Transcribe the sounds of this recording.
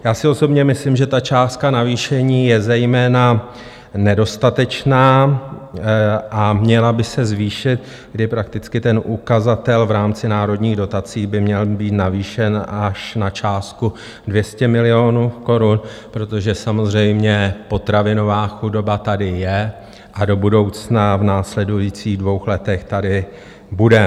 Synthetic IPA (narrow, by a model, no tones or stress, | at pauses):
jaːsɪo̞so̞bɲɛmɪslimʒɛt̪at͡ʃaːst̪kanaviːʃɛɲiːjɛzɛjmɛːna | nɛdo̞st̪at̪ɛt͡ʃnaː | ʔamɲɛlabɪsɛzviːʃɪt̪̚ | ɡdɪpɾak̚t̪ɪt͡skɪt̪ɛnʔukazat̪ɛlvɾaːmt͡sɪnaːɾo̞dɲiːɣdo̞t̪at͡siːbɪmɲɛlbiːt̪naviːʃɛnʔaʃnat͡ʃaːst̪̚ku | dvjɛscɛmɪlɪo̞nuːko̞ɾun | pɾo̞t̪o̞ʒɛsamo̞zrɛjmɲɛpo̞t̪ɾavɪno̞vaːxudo̞bat̪adɪjɛ | ʔado̞budo̞wt͡snavnaːslɛdujit͡siːɣdvo̞wxlɛt̪ɛxt̪adɪ | budɛ